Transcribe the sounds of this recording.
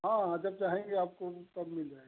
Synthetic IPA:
ɦãːɦãd͡ʒɐb̚t͡ʃaːɦẽŋɡeaːp̚kot̪ɐbmɪld͡ʒaːe

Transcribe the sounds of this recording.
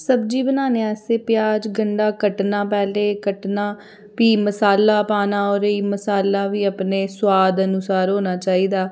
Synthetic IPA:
səbd͡ʒiːbənaːneːɛːseːpɪjaːd͡ʒɡəɳɖaːkəʈnaːpɛːleːkəʈnaː | piːməsaːlːaːpaːnaːɔːɾiːməsaːlːaːʋiːəpneːswaːd̪ənʊsaːɾɦoːnaːt͡ʃaːiːd̪aː

